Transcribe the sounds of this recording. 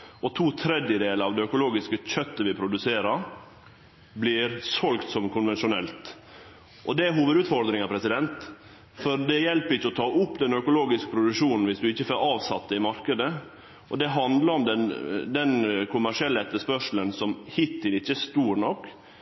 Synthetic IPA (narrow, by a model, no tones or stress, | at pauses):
ɔt̪ʰuːt̪ʰɾɛd̪jəd̪eːləɾɑʋd̪ɛœkʊloːɡɪskəc͡çœt̪ːəʋɪpʰɾʊd̪ʉseːɾəɾ | blɪɾsɔlɡt̪sɔmkʰʊnʋɛnʃʊnɛlt̪ | ʔɔd̪ɛæɦuːʋəd̪ʉːt̪fɔɾd̪ɾɪŋɑpʰɾɛsɪd̪ɛnt̪ | fɔɾd̪ɛjɛlpəɾɪçːəɔt̪ʰɑːʔʊpːd̪ɛnœkʊloːɡɪskə̥pʰɾʊd̪ʉʂuːnn̩ʋɪsd̪ʉɪçːəføɾɑːʋsɑt̪ːəɪmɑɾkəd̪ə | ʔɔd̪ɛɦɑnd̪ləɾɔmd̪ɛnd̪ɛnkʰʊmæʂɪɛlːəɛt̪ːəʂpœʂl̩ənsɔmhɪt̪ːɪnɪçːəst̪uːɾnɔkː